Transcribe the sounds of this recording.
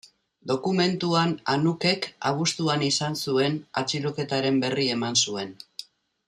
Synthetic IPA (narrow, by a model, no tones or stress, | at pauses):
d̪o̞kume̞nt̪uananuke̞ka̰β̞ust̪uanisansue̞na̰t͡siɾo̞ke̞t̪aɾe̞mbe̞rie̞mansue̞n